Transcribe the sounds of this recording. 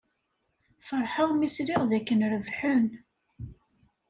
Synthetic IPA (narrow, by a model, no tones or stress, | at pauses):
fəɾˤħawmisɾɪʁðækːənɾəvħʊn